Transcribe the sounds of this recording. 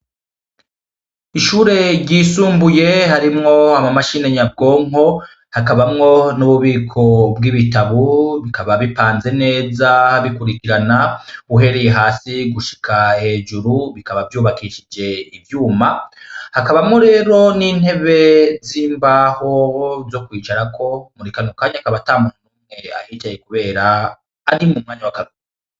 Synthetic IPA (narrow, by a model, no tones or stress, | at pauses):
iʃuːɾe̞ɾɟiːsuːmbuje̞haɾimŋo̞amamaʃine̞ɲab̚ɡo̞ːŋo̞ | hakaβamŋo̞nuβuβiːkʰo̞bɡiβitaβuβikaβaβipaːnze̞ne̞ːzaβikuɾikiɾanauɦe̞ɾe̞je̞ɦaːsiɡuʃi̥kʰahe̞ːd͡ʒuɾuβikaβavjuːβakiʃid͡ʒe̞ivjuːmahakaβamoɾe̞ːɾo̞niːn̥he̞βe̞ziːmbaːhozo̞kwiːt͡ʃaɾakʰo̞muɾikanukaːɲakaβataːmunanuːmŋe̞a̰jitajekuβe̞ːɾaː | ɾimumŋaːɲawakaβi